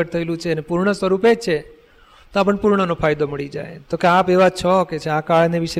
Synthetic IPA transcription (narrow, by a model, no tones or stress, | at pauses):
əʈt̪ʰəelũt͡ʃʰeənepuɾɳ̃əsʋəɾuped͡ʒt͡ʃʰe | t̪oap̬əɳpuɾɳ̃ənofʰajd̪oməɭid͡ʒa̰jt̪okeapeʋat͡ʃʰɔket͡ʃʰeakaɭneʋiʃe